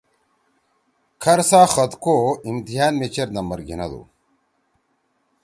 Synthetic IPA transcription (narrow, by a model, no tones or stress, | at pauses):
kʰɐɾsaːxɐt̪koimt̪iɦaːnmet͡ɕɐɾnɐmɐɾɡḭnɐ̰d̪ṵ